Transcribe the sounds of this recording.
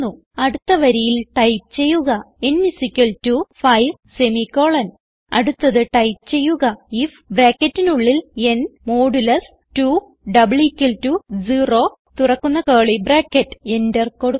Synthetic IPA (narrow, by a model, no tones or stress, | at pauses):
u | ɐɽut̪ːɐʋɐɾijilʈɐjpt͡ɕe̞jːuɣɐ | enːisikʲːɐltufɐjʋsemiko̞ːɭɐn | ɐ̰ɽut̪ːɐðɨʈɐjpt͡ɕe̞jːuɣɐifbreːkːɐtːinuɭːile̞nmoːɖulɐs | tu | ɖɐbɭikʲːɐltud͡ʑiro̞ː | t̪urɐkːunːɐkeːɭibreːkːɐtːɨ̥enderkoɽ